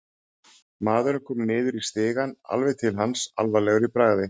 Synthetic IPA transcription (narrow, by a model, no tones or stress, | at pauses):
maːðʏɾʏmkʰɔɾmnɪːðʏɾist̪ɪːɣana̰lvɛð̥t̪ʰɪlɦansa̰lvalɛɣʏɾipɾaːɣðɪ